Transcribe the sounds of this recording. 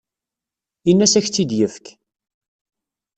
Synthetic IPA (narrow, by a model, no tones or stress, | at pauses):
inːæsæçt͡sːid̪jəfk